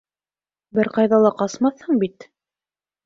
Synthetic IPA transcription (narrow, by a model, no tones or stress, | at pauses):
bɘɾqɑjðɑlˠɑqɑsmɑθhɤɴbit̪